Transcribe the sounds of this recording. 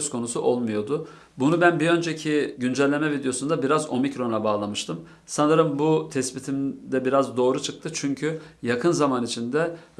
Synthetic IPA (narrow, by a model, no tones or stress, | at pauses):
skʰo̞nusuʔo̞lˠmujo̞d̪ʊ | bunubænbiø̞nd͡ʒecʰiɟynd͡ʒɛlʲːe̞mɛvid̪ejo̞sund̪abiɾazo̞micɾo̞nlˠabaːlˠamɯʃt̪ʰɯm | sanɯɾɯmbut̪ʰɛspit̪ʰimd̪ɛbiɾazd̪o̞ːɾut͡ʃʰɯk̚t̪ʰɯt͡ʃʰyɲcʰyjakʰɯnzamanit͡ʃʰind̪ɛ